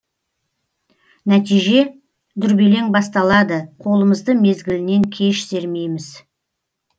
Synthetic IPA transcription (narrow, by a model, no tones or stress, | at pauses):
næt̪ijʒe̞ | d̪ʏɾbe̞le̞ŋbɑst̪ɑlˠɑd̪əqʰo̞lˠəməzd̪əme̞zɡʲɪlɪne̞ŋkʲʰe̞ʃse̞ɾme̞jmɪz